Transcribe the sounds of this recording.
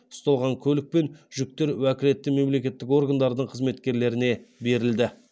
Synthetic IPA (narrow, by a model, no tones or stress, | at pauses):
ʊ̥st̪ɑlˠʁɑŋkʲʰɵlɪk̚pe̞nʒʏk̚t̪e̞ɾwækʲɪle̞t̪ːɪme̞mle̞kʲe̞t̪ːɪko̞rɡand̪ɑɾd̪əɴqʰəzme̞t̪kʲe̞ɾle̞ɾɪne̞be̞ɾɪld̪ɪ